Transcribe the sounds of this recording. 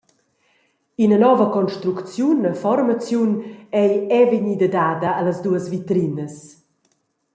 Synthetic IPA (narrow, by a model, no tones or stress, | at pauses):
inənɔvəkɔnʃt̪ɾukt͡sjunəfɔɾmat͡sjunɛjɛvəɲid̪əd̪aːd̪əaləzd̪uəsvit̪ɾinəs